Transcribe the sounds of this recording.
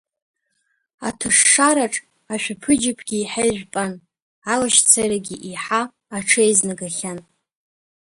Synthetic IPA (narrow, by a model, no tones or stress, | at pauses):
a̰tʰɨʂːaɾaʈ͡ʂʼ | aʃʷᶣapʰɨd͡ʒɪpʰɡʲiːħaʒᶣpʼan | alaʃt͡sʰaɾaɡʲiʔiħaː | ʈ͡ʂʰɨejznaɡaχʲan